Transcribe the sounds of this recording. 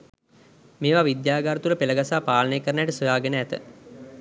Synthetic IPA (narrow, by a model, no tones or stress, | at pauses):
meːʋaʋid̪jaːɡaɾət̪uləpeləɡasaːpaːlənejkəɾənəæʈəsojaːɡənəæt̪ə̰